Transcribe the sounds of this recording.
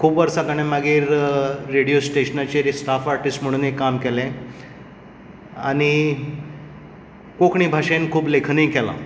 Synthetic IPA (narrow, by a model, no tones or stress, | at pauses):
kʰuːpʋəɾsat̪aɽ̃ẽmaɡiːɾːeɽijosʈeɕənat͡ɕeɾisʈafaɾʈisʈm̤əɽ̃unekamkɛlẽ | aɽ̃i | kokʰɳiːbʱaʂẽnkʰuːplekʰnĩkɛla̰